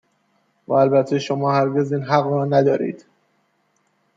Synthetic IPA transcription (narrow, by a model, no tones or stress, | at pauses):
væ̰ælbæt̪ʰeʃomɒːhæɾɡe̞ziːnɦæɣɾɒːnæd̪ɒːɾḭːd̪̥